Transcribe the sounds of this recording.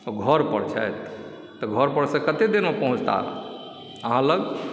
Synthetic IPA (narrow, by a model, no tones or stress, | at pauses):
oɡʱəɾpəɽt͡ʃʰa̰jt̪ː | ɔɡʱəɾpəɽsə̃kət̪ed̪enmepəɦũt͡ʃt̪a̰ | əɦãləɡ